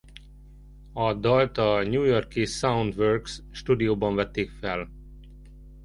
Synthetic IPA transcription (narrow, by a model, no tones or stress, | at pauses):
ɒd̪ɒlt̪ɒɲuːjorkisaund̪ʋørksʃt̪uːd̪ijoːbɒɱvɛt̪ːeːkfɛl